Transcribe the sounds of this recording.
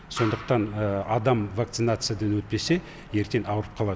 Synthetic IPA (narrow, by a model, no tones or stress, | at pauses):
so̞nd̪əqt̪ɑnəɑd̪ɑmvakt̪sɨnat̪sɨjad̪ɑnwɵt̪̚pe̞se̞ | je̞ɾk̪ʲe̞nɑwəɾəp̚qʰɑlˠɑd̪